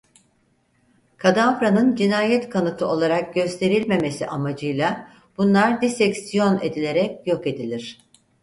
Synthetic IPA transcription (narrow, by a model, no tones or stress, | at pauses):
kʰad̪afɾanɯnd͡ʒinaːjɛt̪kʰanɯt̪ʰɯo̞lˠaɾak̚ɟø̞st̪ʰe̞ɾilʲme̞me̞siʔamad͡ʒɯjlˠa | b̥unlˠaɾd̪isɛcsijo̞ne̞d̪ilʲe̞ɾɛcjo̞ke̞d̪ilʲiɾ̝̥